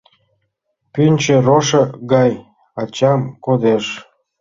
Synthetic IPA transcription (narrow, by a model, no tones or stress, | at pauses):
pynʲt͡ɕĕroʃɤ̆ɣɑj | ɑt͡ɕɑmkod̪eʃ